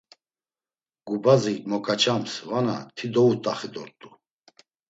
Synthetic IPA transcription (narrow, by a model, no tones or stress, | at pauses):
ɡ̥ubazimɔkʼat͡ʃʰamsvana̰t̪ʰid̪ɔut̪ʼaχid̪ɔɾt̪ʼu